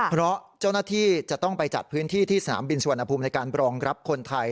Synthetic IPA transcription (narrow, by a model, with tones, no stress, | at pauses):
pʰɾɔ˦˥t͡ɕa˥˩wnaː˥˩t̪ʰiː˥˩t͡ɕa˨˩ʔt̪ɔ˥˩ŋpa˧jt͡ɕa̰˨˩t̪̚pʰɯː˦˥nt̪ʰiː˥˩t̪ʰiː˥˩sa˧na̰ː˩˦mbi˧nsu˧˩˧nt̪ʰːa˧pʰuː˧mna˧jkaː˧nɾɔː˧ŋɾa˦˥p̚kʰo˧nt̪ʰa˧j